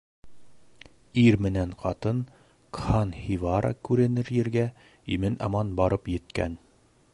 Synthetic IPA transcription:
iɾmɘ̆næɴqɑt̪ɤn | kχɑnhivɑɾə̰kʉɾɘ̆nɘɾjɘ̆ɾɡæ | imɘnɑmɑnbɑɾɤpjɘ̆t̪kæ̰n

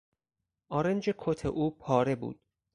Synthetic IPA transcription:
ʔɒːɾend͡ʒekʰot̪ʰḛʔuːpʰɒːɾe̞bṵːd̪̥̚

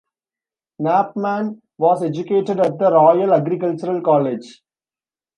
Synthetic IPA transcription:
næːp̚mæ̃ːn | ʋɔːzed͡ʒʊkeːʈeɖæʈ̚d̪əɾɔːjəlɐɡɾikəlt͡ʃəɾəlkɔːled͡ʒ

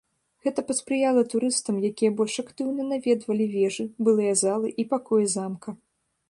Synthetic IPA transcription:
ɣɛt̪ɐpɐt̪spɾɨjalˠɐt̪uɾɨst̪ɐmjakʲijɐbɔlʲʂakt̪ɨwnɐnavʲɛd̪vɐlʲivʲɛʐɨbɨlˠɨjɐzalˠɨʔipakɔjɛzamkʰɐ

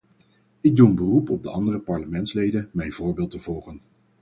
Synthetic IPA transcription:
ɪɡ̚dunbərupɔb̚dəɑndərəpɑɹləmɛntslejdənmɛjnv̥ʊːɹbɪːlˠtəv̥ɔlˠχən

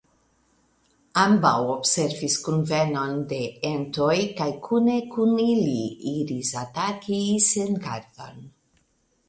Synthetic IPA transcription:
ambawobseɾviskunvenond̪eent̪ojkajkʰunekuniliiɾisat̪akiseŋɡaɾðo̰n

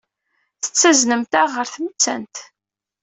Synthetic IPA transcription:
θə̥t͡sːæznəmt̪æʁəɾθmət͡sːæ̰nt̪

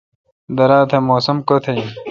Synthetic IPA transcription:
d̪ɐɾaːt̪ʰemoːsɐmkot̪ʰe

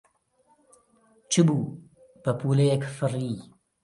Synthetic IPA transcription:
t͡ʃʰɨbu | pəpuːlejekfɨriː

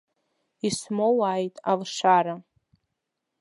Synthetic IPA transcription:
ismowaːjtʼalʂaɾa

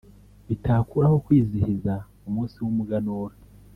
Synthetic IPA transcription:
βitaːkuɾaho̞kwiːzihiza | umuːnsiwumuɡanoːɾa

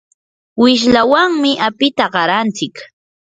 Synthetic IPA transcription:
wɪʃ̬lawaŋmɪʔapɪt̪aɢɑɾant͡sɪk

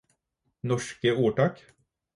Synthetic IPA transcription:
nɔʃkəuːɖɑːk

